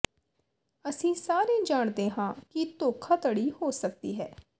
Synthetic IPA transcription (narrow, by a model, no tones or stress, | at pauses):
əsĩːsaːɾẽːd͡ʒaːɳd̪ẽːɦãːkɪt̪oːkʰaːt̪əɽiːhoːsək̚d̪iːɦɛː